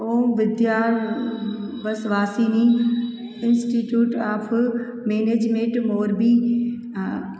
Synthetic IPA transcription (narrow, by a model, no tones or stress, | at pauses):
oːmʋɪd̪jaːɾ | ʋɐsʋaːsiːni | ɪnsʈiːʈjuːʈaːpʰ | meːneːd͡ʒmẽɳʈmoːɾbiː